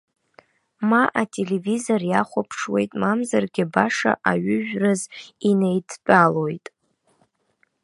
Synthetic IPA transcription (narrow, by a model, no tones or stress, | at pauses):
maʔatʼe̞le̞vizo̞rjaχʷapʰʂwe̞̰jtʼmamzarɡʲɪbaʂa̰ʔaɥʊʒᶣrɨzinejtʰpʼalo̞jtʼ